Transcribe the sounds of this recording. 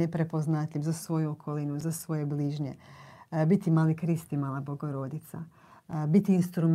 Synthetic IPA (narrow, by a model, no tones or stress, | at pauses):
epɾe̞po̞znat̪ʎʲivzasʋo̞juokʰo̞linuzasʋo̞je̞bliːʒɲe̞bit̪imaːlikɾist̪imaːlˠabo̞ɡo̞ɾo̞d̪it̪sa̰ | bit̪iinst̪ɾum